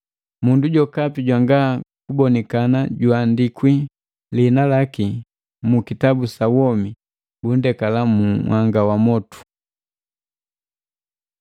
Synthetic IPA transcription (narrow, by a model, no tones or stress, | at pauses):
munduɟɔkapiɟwaŋɡakubɔnɛkanaɟwaːndikwi | linalaki | mukitabusawɔmi | bun̩dɛkalamuwʔaŋɡawamɔtu̥